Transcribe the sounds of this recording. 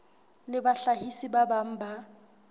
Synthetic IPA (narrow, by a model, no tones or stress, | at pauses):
lɪbaɬahisibabam̩ba